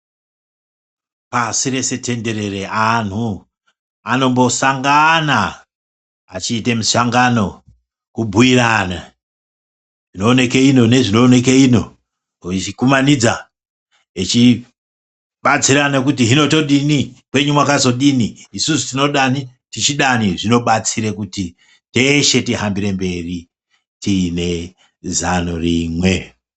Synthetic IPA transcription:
pasiɾe̞se̞te̞nde̞ɾe̞re̞an̤u | ano̞mbo̞saŋɡanaː | t͡ʃiːtemusaŋɡano̞ | kubʱuiɾana̰ | ʐino̞ːne̞keinone̞ʐino̞ːne̞k̬eino̞̰ | it͡ʃikumanid͡za | et͡ʃi | ɓat͡siɾanekutiɦino̞to̞ɗinikwe̞ɲumwakazo̞ɗiniːsusi̥tino̞ɗanitit͡ʃiɗaniʐino̞ɓat͡siɾekuti | te̞ʃe̞tiɦambiɾe̞mbe̞ri | tine̞ | zanoriːmwe̞

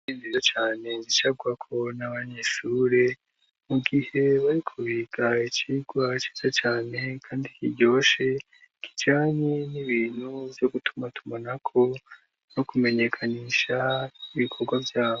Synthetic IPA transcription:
inzizat͡ʃaːne̞zit͡ʃaɡwakʰo̞naβaɲeʃuɾe̞ | muɡihe̞βaɾikʰuβiːɡait͡ʃiɡ̥wat͡ʃi̥z̥at͡ʃaːne̞kʰaːndikiɟo̞ːʃe̞ | kʰi̥t͡ʃaːɲeniβiːnhuvjo̞ɡutu̥matumanakʰo̞ | no̞kume̞ɲe̞kʰaniːʃaiβikʰo̞ɾɡwavjaːβo

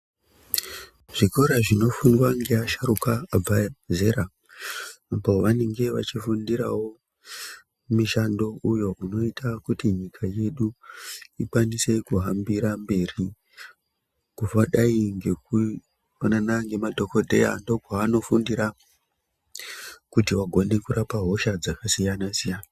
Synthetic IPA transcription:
ʐ̥iko̞ɾaʐino̞fundwaŋɡe̞aʃaɾukaːb͡vaze̞ɾaː | po̞ʋane̞ŋɡe̞ʋa̰t͡ʃifundiɾa̰wo̞ | miʃando̞ʔujo̞ʔuno̞itʰakutiɲikʰaje̞ɗuikwanise̞kuɦambiɾambe̞ri | kufaɗaiŋɡe̞ku | ananaŋɡe̞madʱo̞ko̞dʱe̞ja̰ndo̞ɡʱwaːno̞fundiɾa | kutiʋaɡʱo̞ne̞kuɾapaɦo̞ʃad͡zakasijanasijana

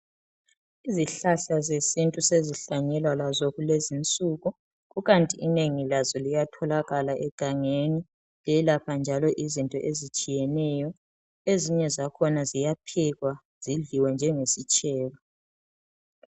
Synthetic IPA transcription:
iziɬaɬazesintʼuseziɬaɲɛlwalazɔɣulezint͡sʼuɣu | ɣuɣantʼiːneŋilazɔlijatʰɔlaɣalaʔɛɡ̥ʱaŋeni | lɛlapʰand͡ʒʱalɔʔizintʼɔ̰ʔezit͡ʃʼijɛnɛjɔ | eziɲɛzakʰɔnazijapʰɛɣwa | z̥iɮiwɛnd͡ʒʱɛŋesit͡ʃʼɛːlɔ

